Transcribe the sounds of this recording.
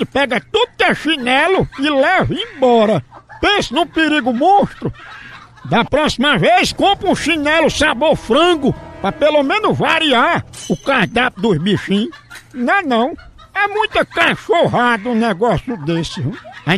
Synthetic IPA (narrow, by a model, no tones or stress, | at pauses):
ɪpɛɡɐt̪ud̪ʊkɛʃinɛlʊɪlɛvɐẽj̃bɔɾɐpẽsɐnʊ̃peɾiɡʊmõʃt̪ɾʊ | d̪ɐpɾɔsimɐvejskõpɾũʃinɛlʊsaboɾfɾɐ̃ɡʊpɾɐpelomẽnʊzvaɾiaɾʊkahd̪apʊd̪ʊzbiʃĩsnɐ̃nɐ̃w̃ | ɛmũj̃t̪ɐkaʃoɦad̪ɐʊnɛɡɔsjʊd̪esɪ̃